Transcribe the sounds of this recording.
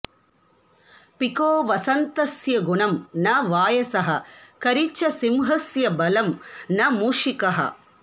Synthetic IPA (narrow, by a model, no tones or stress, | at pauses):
pikoːʋɐsɐnt̪ɐsjɐɡunɐmnɐʋaːjɐsɐɦɐkɐɾit͡ʃːɐsimɦɐsjɐbɐlɐmnɐmuːʂikɐɦɐ̰